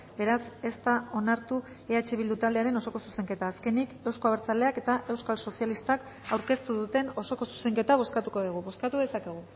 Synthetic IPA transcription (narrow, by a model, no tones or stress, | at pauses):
be̞ɾase̞st̪ao̞naɾt̪u | eat͡ʃeβild̪ut̪ald̪e̞aɾe̞no̞so̞ko̞su̥se̞ŋke̞t̪aːske̞nike̞wsko̞aβeɾt͡sald̪e̞ake̞t̪aʔe̞wskalso̞sialist̪ak | awɾke̞st̪uðut̪e̞no̞so̞ko̞su̥se̞ŋke̞t̪aβ̞o̞skat̪uko̞ðiɣ̞uβo̞skat̪uðe̞sake̞ɣ̞u